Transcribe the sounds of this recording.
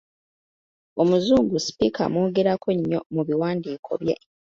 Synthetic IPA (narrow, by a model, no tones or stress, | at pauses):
o̞muzuːŋɡusi̥pikʰa̰muːɡeɾakoɲːo̞muβiwaːndiːkʰo̞̰βje̞̰